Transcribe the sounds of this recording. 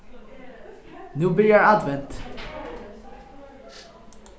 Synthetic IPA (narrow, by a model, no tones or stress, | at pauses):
nʉːbiɾjajad̪vɛnt̪